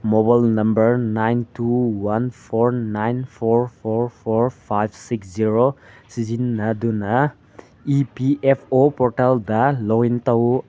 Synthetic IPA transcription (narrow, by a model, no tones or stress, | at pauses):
mɔbajlnɐmbəɹnajntuwanpʰɔɹnajnpʰɔɹpʰɔɹpʰɔɹpʰajbʰsiksziɹosizinːad̪una | ipiepʰopɔɾtaldalɔintaw